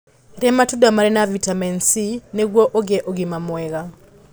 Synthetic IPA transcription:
ɾɛmatudamaɾɛnavitamɛnsineɡwɔʔoɡɛʔoɡimamwɛɣa

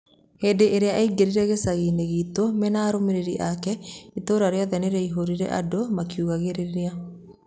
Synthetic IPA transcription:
heːdeʔeɾeaʔaiɡeɾiɾɛɣesaɣineɣiːtomɛnaːɾomeɾeɾiʔakɛitoːɾaɾeɔðɛneɾɛiɦoɾiɾɛ̰ʔa̰domakiuɣaɣeɾeɾea

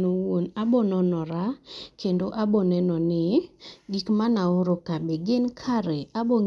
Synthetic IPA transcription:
nowonabɔnɔnɔɾakendoʔabɔnɛnɔnɪɡikmanaoɾokabeɡɪnkʰaɾɛabɔŋ

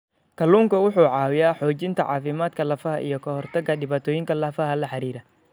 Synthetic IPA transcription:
kʰɐluːŋkʰɐwʊħuːʕɑːwɪjaːħɔːt͡ʃɪnt̪ʰɐ̰ʕɑ̰ːfɪmaːd̪kʰɐlɐfɐɦɐʔḭjɞkʰɐhɔrt̪ʰɐɡɐɗɪβaːt̪ʰɔːjɪŋkʰɐlɐːfɐɦɐlɐħɑɾiːɾɐ

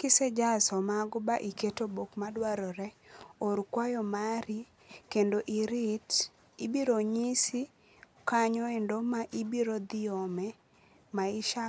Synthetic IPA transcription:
kɪsɛd͡ʒasɔmaɡɔbaʔiketobokmadwaɾɔɾɛoɾkwajɔmaɾi | kendoʔiɾit | ibiɾoɲisi | kaɲɔendomaʔibiɾod̪ɪomɛ | maɪʃa

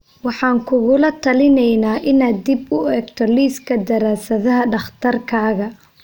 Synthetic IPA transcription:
wɑħɑːŋkʰʊɣʊlɐt̪ʰɐlɪnɛjnaːʔɪnaːd̪ːɪbʊɛːɡt̪ʰɔliːskʰɐd̪ɐɾaːsɐðɐɦɐɖɑχt̪ʰɐrkʰaːɣɐ

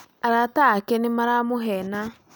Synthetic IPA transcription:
aɾatakɛnemaɾamoɦɛna

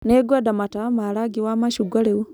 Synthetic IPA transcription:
neɡwadamatamaɾaɡiwamaʃuɡwaɾeu

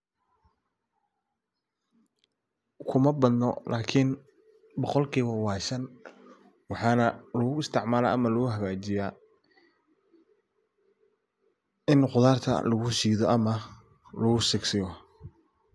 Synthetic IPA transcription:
kʰʊmɐbɐd̪nɔ̰lʔaːkʰɪn | bɔqɔlkʰiːβɐwɑːʃɐn | wɑħɑːnɐlɔɣʊɪst̪ʰɪʕmaːla̰ːʔɐmɐlʊɣʊɦɐɣaːt͡ʃɪjaː | ɪnqʊðaːrt̪ʰɐ̰lɐɣʊsiːðɔʔɐmɐ | lɐɣʊsɪɡsɪjɔ

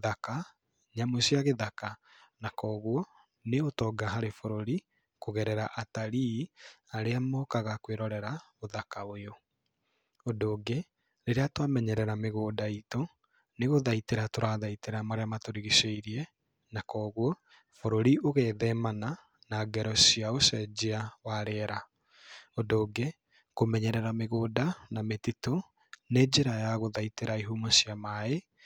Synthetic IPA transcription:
ðaka | ɲamosiaɣeðaka | nakɔːɣwɔ | neotɔːɡaɦaɾefoɾoɾi | koɣɛɾɛɾaʔataɾiaɾeamɔːkaɣakweɾɔɾɛɾaoðakaojo | ondoːɡe | ɾeɾeatwamɛɲɛɾɛɾameɣoːdaito | neɣoðaiteɾatoɾaðaiteɾamaɾeamatoɾiɣiseiɾiɛ | nakɔːɣwɔ | foɾoɾiʔoɣɛðɛmana | naɡɛɾɔsiaosɛd͡ʑeawaɾɛɾa | odoːɡe | komɛɲɛɾɛɾameɣoːdanametito | ned͡ʑeɾajaɣoðaiteɾaiɦumasiamae

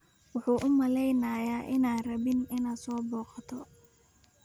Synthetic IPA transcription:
wʊħuːʔʊmɐlɛjnaːjaːʔɪnaːnrɐβɪnɪnaːd̪sɔːbɔːqɑt̪ʰɔ

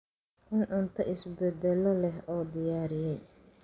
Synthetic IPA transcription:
ʔʊnʕʊnt̪ʰɐʔɪsbɛd̪ɛlɔlɛɦɔːd̪ɪjaːɾɪjɛj

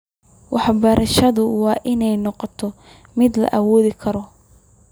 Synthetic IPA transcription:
wɑħbɐɾʔɐʃɐðʊwɑːʔɪnɛjnɔqɔt̪ʰɔ | mɪd̪lɐ̰ʔɐwɔːðɪkʰɐɾɔ

